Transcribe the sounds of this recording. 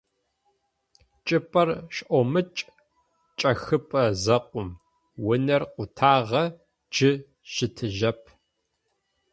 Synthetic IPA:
t͡ʃʼɪpʼɐrʃʔʷomɨt͡ʃʼ | t͡ʃʼɐxɨpʼɐzɐqʷʊm | wʊnɐrqʷʊtʰaːʁɐ | d͡ʒɪ | ʃɪtʰɨʒɐpʰ

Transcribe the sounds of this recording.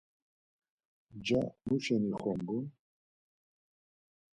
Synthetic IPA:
d͡ʒamuʃɛniχɔmbun

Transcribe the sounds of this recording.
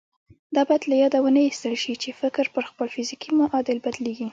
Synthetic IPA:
d̪ɑbɑajad̪lajɑd̪awənajist̪əlʃit͡ʃefɪkɾpəɾxpəlfɪzikimaʔɑd̪ɪlbad̪leɡi

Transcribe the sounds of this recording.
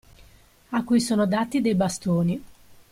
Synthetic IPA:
akːujsoːnod̪aːt̪ːid̪ejbast̪oːni

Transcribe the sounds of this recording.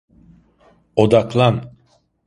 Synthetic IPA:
od̪aklˠan

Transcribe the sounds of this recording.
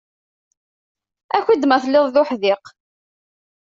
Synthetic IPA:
æçid̪mæθlːɪðˤðʊħðɪq

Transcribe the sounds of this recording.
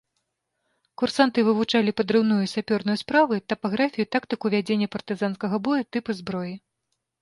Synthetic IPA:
kursant̪ɨvɨvut͡ʂalʲipɐd̪ɾɨwnujusʲapʲɔrnujuspɾavɨt̪ɐpaɣɾafʲijut̪akt̪ɨkuvʲad͡zʲenʲːɐpɐrt̪ɨzan̪skɐɣɐbɔjut̪ɨpɨzbɾɔji

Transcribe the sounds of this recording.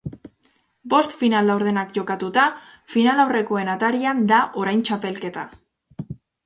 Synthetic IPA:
bo̞st̪finalawɾð̞e̞nakʝo̞kat̪ut̪a | finalawre̞ko̞e̞nat̪aɾiand̪aʔo̞ɾajnt͡ʃape̞lke̞t̪a

